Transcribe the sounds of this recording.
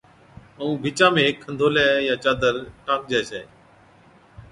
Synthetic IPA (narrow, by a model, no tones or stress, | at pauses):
əũːbʱɪːt͡ʃãːmẽːkʰːənd̪ʱoːlɛːjãːt͡ʃaːd̪əɾʈaːk̚d͡ʒɛːseː